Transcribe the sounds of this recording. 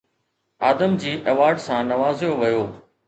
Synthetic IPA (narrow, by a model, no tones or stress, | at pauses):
aːd̪əmd͡ʑiːʔɐʋaːɖsãːnɐʋaːzɪjoʋɐjoː